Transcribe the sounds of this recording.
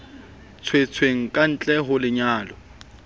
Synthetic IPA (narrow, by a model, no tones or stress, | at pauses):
t͡sʰwet͡sʰweŋ̩kʼan̩t͡ɬʼɛɦʊlɪɲaːlɔ